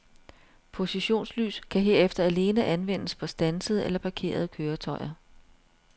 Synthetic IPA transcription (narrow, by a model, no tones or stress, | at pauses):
pʰo̝siɕo̝̰ːnsly̰ːskʰæɦe̝ɐ̰efd̥ɐæle̝ːnəʔænʋen̰əspʰɒ̽sd̥ænsəð̞̩ˠelɐpʰɑ̈kʰe̝̰ːɐð̞ˠkʰøːɐt͡sʰɒ̽ɪɐ